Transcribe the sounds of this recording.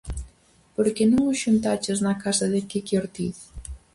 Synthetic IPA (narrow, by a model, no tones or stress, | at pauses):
poɾkenõŋʊʃunt̪at͡ʃeznɐkasɐðɪkekjoɾt̪iθ